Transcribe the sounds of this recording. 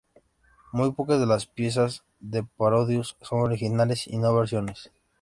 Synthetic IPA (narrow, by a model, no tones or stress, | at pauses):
mujpo̞kazðe̞laspje̞s̬az | ðe̞paɾo̞ðjusːo̞ŋo̞ɾixinale̞sḭno̞βe̞ɾsjo̞ne̞s